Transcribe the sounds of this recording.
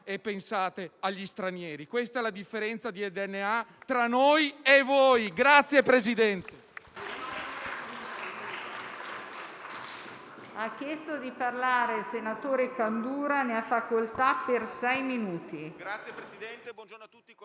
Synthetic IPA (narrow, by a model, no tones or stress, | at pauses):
epːensaːt̪eaʎːist̪ɾanjɛːɾikwest̪aɛlad̪ifːeɾɛnt̪sad̪iɛd̪eɛnːeat̪ɾanːojevojɡɾat̪sːjepɾezid̪ɛnt̪e | akːjɛst̪od̪iparlaːɾelsenat̪oːɾekand̪uːɾaneafːakolt̪apːersɛjminuːt̪iaj̪ | uː